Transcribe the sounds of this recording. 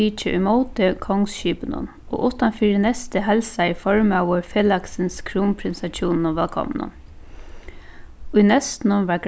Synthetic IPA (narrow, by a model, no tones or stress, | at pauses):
iːt͡ʃəʔʊ̰jmoʊt̪əkʰɔŋsʃiːpənʊ̰n | o̰ːʔʊht̪ːanfiːɾɪnɛst̪əɦɛlsaɪfɔɹmawʊɾfeːlaksɪnskʰɾuːmpʰɾɪnsat͡ʃuːnnʊʋɛlkʰɔ̰m̰nʊ̰n | ʊjnɛst̪nʊnʋaɡ